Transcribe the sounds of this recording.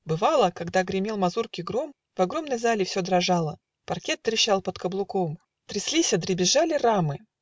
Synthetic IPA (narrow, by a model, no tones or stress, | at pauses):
bɨvalˠəkɐɡd̪aɡɾʲɪmʲelˠmɐzurkʲɪɡɾo̞m | vɐɡɾo̞mnəjzalʲɪfsʲod̪ɾɐʐalˠə | pɐrkʲet̪̚t̪ɾʲɪɕːalˠpət̪kəblˠʊkom | t̪ɾʲɪslʲisʲəd̪ɾʲɪbʲɪʐalʲɪramɨ